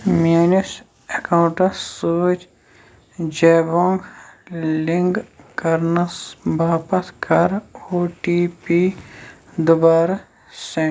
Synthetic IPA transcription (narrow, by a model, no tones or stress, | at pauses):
meːnis | ekawɳʈɐsoːt͡ʃ | d͡ʒeːbõːŋɡ | lɪŋɡkɐɾnɐsbaːpɐt̪kɐɾoːʈiːpi | d̪ʊbaːɾ | sẽ